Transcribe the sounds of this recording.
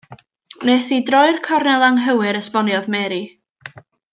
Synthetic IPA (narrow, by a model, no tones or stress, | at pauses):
nesidrɔɨrkʰɔrnɛlˠaŋɦəwɨɾəspɔnjɔðmɛɾi